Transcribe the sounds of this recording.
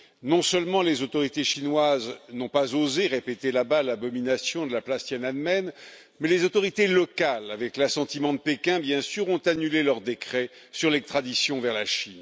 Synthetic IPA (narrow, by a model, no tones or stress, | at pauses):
nɔ̃sœlmɑ̃lezot̪ɔʁit̪eʃinwaznɔ̃pazozeʁepet̪elabalabɔminasjɔ̃d̪əlaplast̪jɛnad̪mɛn | mɛlezot̪ɔʁit̪elɔkalavɛklasɑ̃t̪imɑ̃d̪əpekʲɛ̃bjɛ̃syʁɔ̃t̪anylelœʁd̪ekχɛ | syʁlɛkst̪χad̪isjɔ̃vɛʁlaʃin